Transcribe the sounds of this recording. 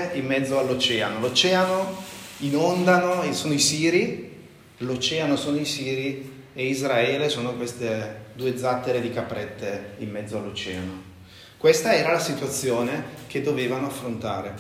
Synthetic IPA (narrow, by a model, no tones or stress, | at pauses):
imːɛd̪zːoalːot͡ʃɛːanolot͡ʃɛːanoinond̪anoesoːnoisiːɾi | lot͡ʃɛːanosoːnoisiːɾi | eizɾaɛːlesoːnokwest̪ed̪uːed̪zat̪ːeɾed̪ikapɾɛt̪ʰːeimːɛd̪zːoalːot͡ʃɛːa̰no | kwest̪aɛːɾalasit̪wat̪sːjoːneked̪ːoveːvanoafːɾont̪a̰ːɾe